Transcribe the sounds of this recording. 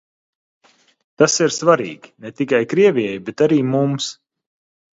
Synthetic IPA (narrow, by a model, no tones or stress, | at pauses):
t̪asiɾsvaɾḭːɡʲi̥nɛt̪ikajkɾiɛvʲiɛjbet̪aɾiːmums